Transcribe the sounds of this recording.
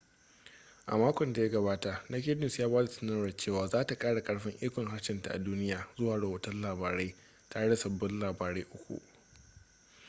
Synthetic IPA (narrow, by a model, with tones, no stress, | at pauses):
ʔa̰˨maː˦kʷɔ˨nda˨ja˦ɡɐ˨βaː˦ta˨ʔna˦kʲɪ˦nɪ˨sjaː˦baː˦da˨sɪ˦nɐ˦ɐ˨t͡ʃeː˦˨waː˨zaː˦ta˨kʼaː˦ɽa˨kʼɐ˦ɽɸɪ˦ŋʔiː˦kʷɔ˨ŋɦa˦ʃɪ˨nta˨ʔa̰˨duː˦nɪ˦jaː˨zʊ˦waː˨ɽɐ˨hoː˦tɐ˦nlaː˨baː˨ɽe˦ | taː˨ɽe˦da˨sɐ˨bːɔ˦nlaː˨baː˨ɾe˦ʔʊ˦kʷṵ˨ʔ